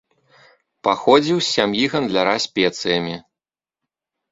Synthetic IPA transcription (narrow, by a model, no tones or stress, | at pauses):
paxɔd͡zʲiwsʲamjiɣɐnd̪lʲaɾasʲpʲɛt̪sɨjɐmʲi